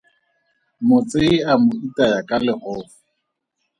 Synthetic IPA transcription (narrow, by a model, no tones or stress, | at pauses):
mʊt͡sʼeɪamʊitʼajakʼalɪhʊ